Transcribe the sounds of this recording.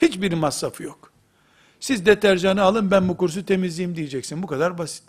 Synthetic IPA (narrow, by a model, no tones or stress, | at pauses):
hit͡ʃbiɾmasːafɯjok | sizd̪ɛt̪ʰæɾd͡ʒanɯalˠɯnbænbukuɾs̬ut̪ʰe̞mizlʲijimd̪ijɛd͡ʒɛcsinbukad̪aɾbasi̥t̪̚ː